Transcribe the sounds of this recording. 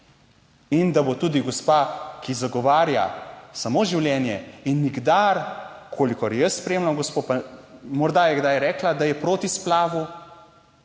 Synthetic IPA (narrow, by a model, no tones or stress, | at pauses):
ind̪abot̪ud̪iɡɔspakizaɡɔʋaːɾja̰samoːʒiwljɛnjɛinːiɡd̪aɾkʰoːlikɔɾɛjəsːpɾɛeːmlamɡɔspoːpamɔɾd̪ajɛɡd̪ajɾɛːklad̪ajɛpɾoːt̪isplaːʋu